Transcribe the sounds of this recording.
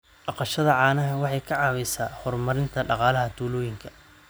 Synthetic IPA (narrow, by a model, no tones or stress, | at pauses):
ɑqɑʃɐðɐʕɑːnɐɦɐwɑħɑjkʰɑʕɑːwɛsaːhɔrmɐɾɪnt̪ʰɐɖɑqɑːlɐɦɐt̪ʰuːlɔːjɪŋkʰɐ̥